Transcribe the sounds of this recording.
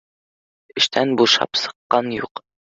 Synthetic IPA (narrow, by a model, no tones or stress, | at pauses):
ɘ̆ʃt̪ʰænbuʃɑ̰psɤ̥̆qːɑnjuq